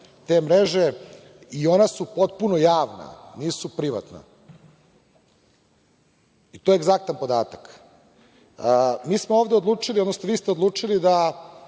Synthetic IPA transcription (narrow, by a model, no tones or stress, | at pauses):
t̪emɾeʒe | io̞nasupo̞t̪̚punojaːʋna̰niːsupɾiʋa̰t̪na̰ | it̪ojeːɡzak̚t̪anpo̞d̪aːt̪ak | miːsmooːʋd̪eod̪lˠuːt͡ʂiliod̪nosnoʋiːst̪ed̪luːt͡ʂilid̪a